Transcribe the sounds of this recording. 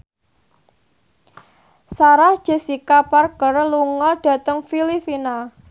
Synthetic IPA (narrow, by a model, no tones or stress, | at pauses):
saɾahd̥ʒ̥e̤sikaparɡəɾluŋɔɖ̥ä̤t̪əŋfilifina